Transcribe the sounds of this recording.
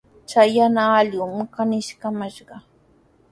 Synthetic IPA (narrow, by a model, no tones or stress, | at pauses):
t͡ʃajanaːljumɪkanɪʃkamaʃɢɑ